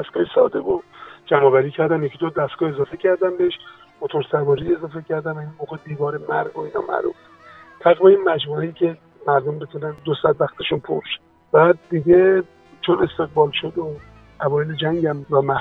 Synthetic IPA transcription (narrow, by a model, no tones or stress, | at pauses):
d̪æst̪ɡ̥ɒːhisɒ̰ːd̪ebod͡ʒæmɒːvæɾiːcʰæɾd̪æmjecʰid̪od̪æst̪ɡ̥ɒːe̞zɒːfecʰæɾd̪æmbeeʃ | mot̪ʰoɾsæbɒːɾie̞zɒːfe̞cʰæɾd̪ænvæinmoːɣed̪iːvɒːɾemæɾɡoinɒ̰ːmæ̰ɾṵːf | t̪ʰæɣveiːnmæd͡ʒmuejiːcʲʰe̞ | mæɾd̪ombet̪ʰunænd̪osæd̪væxt̪ʰeʃunpʰo̰ɾʃ | b̥æd̪ːiɟe | t͡ʃʰone̞st̪e̞ɣbɒːlʃod̪o | ʔævɒːjeled͡ʒæŋɟæmvæmæh